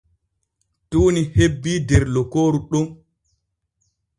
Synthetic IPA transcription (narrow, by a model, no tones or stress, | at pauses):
tuːnihebːiːdɛɾlɔkoːɾuɗum